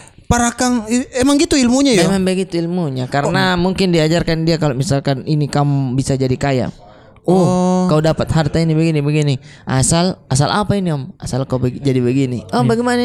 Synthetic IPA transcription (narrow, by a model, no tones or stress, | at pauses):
paɾakaŋiemaŋɡit̪uilmuɲajemaŋbəɡit̪uilmuɲakaɾənamuŋkɪndiad͡ʒarkandiakalomisalkaninikamubisad͡ʒadikaja̰m | ɔkaudapat̪̚hart̪ainibəɡinibəɡini | ʔasalasalʔapainiɔmasalkaubəd͡ʒadibəɡiniʔɔbaɡɛmana